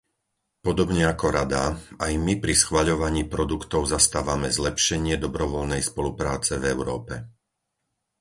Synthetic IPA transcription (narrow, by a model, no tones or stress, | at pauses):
pɔd̪ɔbɲɛakɔɾad̪a̰ajmipɾisxʋaʎɔʋaɲiːpɾɔd̪ukt̪ɔʊzast̪aːʋamɛzlɛpʃɛɲɪɛd̪ɔbɾɔʋɔʎnɛjspɔlupɾaːt͡sɛvɛʊɾɔːpɛ